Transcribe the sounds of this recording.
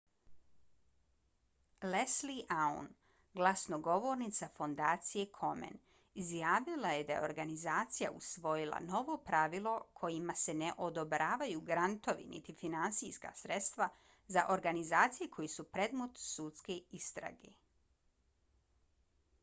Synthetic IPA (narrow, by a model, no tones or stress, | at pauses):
lesliʔaṵn | ɡlˠasnoɡo̞ʋoɾnit̪safo̞nd̪aːt̪sije̞kʰo̞mḛn | izjaːʋilaje̞d̪ajḛo̞ɾɡanizaːt̪sija̰ʔusʋo̞jilˠa̰no̞ʋo̞pɾaʋilˠo̞kʰo̞jimase̞neʔo̞d̪obɾaːʋajuɡɾant̪o̞ʋḭnḭt̪ifinansiska̰sɾet̪st̪ʋa | zaʔo̞ɾɡanizaːt̪sijekʰo̞jesupɾe̞d̪mot̪sut̪skeist̪ɾa̰ɡe